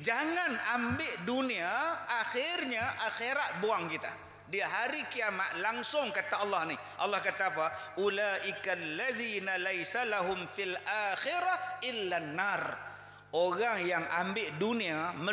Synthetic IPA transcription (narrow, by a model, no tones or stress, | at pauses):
d͡ʒaŋanambɪʔduniaʔaxɪrɲaʔaxeɾaʔ̪̚buaŋkit̪a̰ | diaɦaɾikiama̰ʔ̪̚laŋsʊŋkat̪aɑlːɑhni | ʔɑlːɑhkat̪aːpaʔulaːʔɪkalːaðiːnalajsalaɦʊmfilʔaːxɪɾaʔɪlːanːar | ʔoɾaŋjaŋʔa̰mbɪʔduniamə